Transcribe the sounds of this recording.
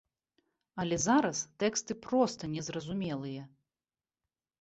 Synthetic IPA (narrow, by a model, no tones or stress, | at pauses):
ɐlʲɛzaɾɐst̪ɛkst̪ɨpɾɔst̪ɐnʲɛzrɐzumʲɛlˠɨjɛ